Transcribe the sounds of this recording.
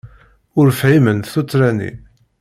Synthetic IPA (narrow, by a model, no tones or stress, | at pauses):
ʊɾfʕimənθut͡sːɾænḭ